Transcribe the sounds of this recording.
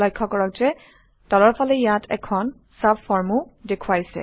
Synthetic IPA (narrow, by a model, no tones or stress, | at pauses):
lɔjkʰːɔkɔɹɔk̚zɛ | dɔlɔɹpʰɔlɛjatʰɛ̰kʰɔn | sabfɔɹmudekʰuwajsɛ̰